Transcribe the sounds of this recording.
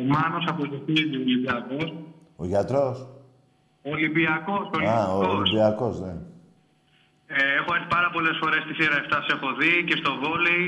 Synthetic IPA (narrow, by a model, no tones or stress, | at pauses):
omɐnosɐpoziθiit̪iolibiɐkos | oʝɐt̪ɾos | olibiɐko̞solioolisbiɐkozne | eexoeθi̥pɐɾɐpo̞lesfo̞ɾe̞st̪iθiɾɐeft̪ɐsiexo̞ðice̞st̪o̞vo̞li